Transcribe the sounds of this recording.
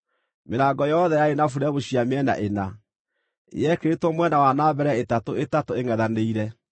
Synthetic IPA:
meɾaːɡɔjɔɔðɛjaenafuɾɛβoɕiameɛna̰ʔena̰ | jɛkeɾetɔmwɛnawanaːbɛɾɛetatoetatoeŋɛðaneiɾɛ

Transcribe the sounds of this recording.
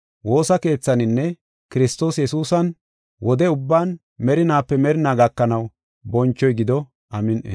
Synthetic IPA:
wo̞ːsɐke̞ːt͡sːɐnɪnːɛ | kɪɾɪst̪o̞ːsjɛsuːsɐn | wɔd̪ɛʊbːaːn | mɛɾɪnaːpːɛmɛɾɪnaːɡɐkːɐnɐw | bɔnt͡ʃːɔjɡɪd̪ɔ | ʔɐmɪnʔḛ

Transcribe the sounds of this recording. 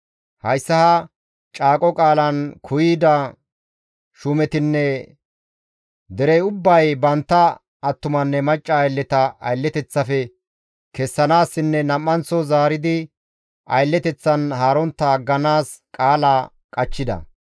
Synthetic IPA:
hɐjsːɐhɐ | t͡ʃʼaːkʼɔkʼaːlɐnkʰʊjiːd̪ɐ | ʃʊmɛt̪ɪnːɛ | d̪ɛɾɛjʊbːɐjbɐnt̪ːɐː | t̪ːʊmɐnːɛmɐt͡ʃʼːɐːjlːɛt̪ɐɐ̰jlːɛt̪ɛt͡sːɐfɛ | kɛsːɐnaːsːɪnːɛnɐmːɐnt͡sːɔzaːɾɪd̪ɪ | ʔɐ̰jlːɛt̪ɛt͡sːɐnhaːɾɔnt̪ːɐɡːɐnaːs | kʼaːlaː | kʼɐt͡ʃːɪd̪ɐ̰

